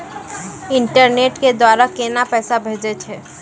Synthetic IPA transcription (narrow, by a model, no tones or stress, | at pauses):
ɪ̃ɳʈəɾneːʈked̪waːɾakeːnapɛːsabʱeːd͡ʒet͡ʃʰeː